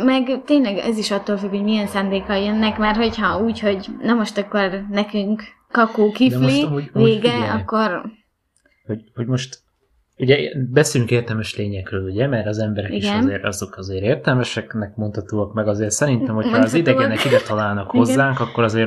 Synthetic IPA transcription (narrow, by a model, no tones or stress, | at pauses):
mɛɡt̪eːɲnlɛɡɛ̰ziʃɒt̪ːoːlfykho̞ɟmiɛnsaːnd̪eːkɒjœnːɛkmɛrho̞chɒuːcho̞ɟnɛmo̞ʃt̪ɒkːornɛkyŋkː | ɒkoːkid̪mloimuːɟveːɡɛɒkːo̞r | ho̞ɟhoɟmo̞ʃt̪ | uɟɛbɛseːjyŋkeːrt̪ɛlmɛʃleːɲɛkrøːluɟɛmɛɾɒzɛmbɛɾɛkiiɡʃɛɒnzeːɾɒ̰zo̞kɒzeːɾeːrt̪ɛlmɛʃɛknɛk̚mont̪hɒt̪oːɒkmɛɡɒzeːrsɛɾint̪ɛmhoːzid̪ɛɛnɛkid̪ɛt̪ɒlaːlnɒkho̞zzːaːŋkɒkːoɾɒzeːɾ